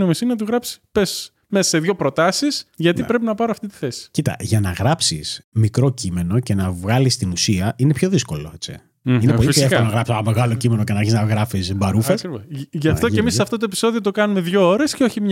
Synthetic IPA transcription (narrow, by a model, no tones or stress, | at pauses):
omesinenɐt̪uɣɾɐpsi̥pe̞s | mesɐse̞ðʝo̞pɾo̞t̪ɐsisʝɐt̪ipɾe̞pinɐpɐɾoɐft̪it̪i̥θe̞si̥cit̪ɐ̰ʝɐnɐɣɾɐpsismikɾo̞cime̞no̞ce̞nɐvɣɐlist̪inusiɐine̞pço̞ðisko̞loet͡sḭ | inepolioeolonɐɣɾɐpsɐnɐmeɣɐlo̞cime̞nocenɐɐɾçiznɐɣɾɐfisbɐɾufesɾʝɐft̪oemisːɐft̪o̞t̪oepi̥so̞ðio̞t̪o̞kɐnume̞ðʝo̞o̞ɾe̞sceo̞çimɲ